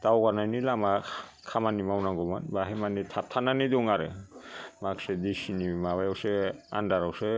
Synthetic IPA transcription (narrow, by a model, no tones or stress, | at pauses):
tawɡanajnilamakʰamanimawnaŋɡɔmanbaɦemanitʰap̚tʰananidɔŋaɾḛmaksedisinimaβajawsea̰ndaɾawse